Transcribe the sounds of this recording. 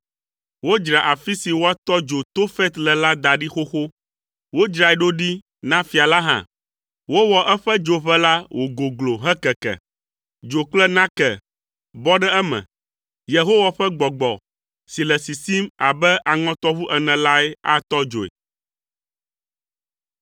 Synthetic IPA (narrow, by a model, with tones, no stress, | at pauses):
wo˦d͡ʒɾa˨ʔa˨fi˦si˨wo˦a˦t̪ɔ˦d͡ʒo˨t̪o˦fɛ˦t̪lɛ˨la˦d̪a˨ɖi˦xo˦xo˦ | wo˦d͡ʒɾa˨ɛ˨˦ɖo˦ɖi˦ | nã˦fi˨a˨la˦ɦã̰˨ | wo˦wɔ˨ʔɛ˦ɸɛ˦d͡ʒo˨ɸɛ˦la˦wʔo˨ɡo˨ɡlo˨ɦɛ˦kɛ˨kɛ̰˨ | d͡ʒo˨k͡plɛ˦nã˦kɛ˨ | bɔ˦ɖɛ˦ɛ˦mɛ̰̃˨ | je˨ɦo˦wa˨ɸɛ˦ɡ͡bɔ˨ɡ͡bɔ˨ | si˨lɛ˨si˨si˦ma˨bɛ˦ʔa˨ŋɔ̃˦t̪ɔ˦βu˦ʔɛ˨nɛ̃˨la˦ɛ˦a̰˦t̪ɔ˦d͡ʒo̰˨ḛ˨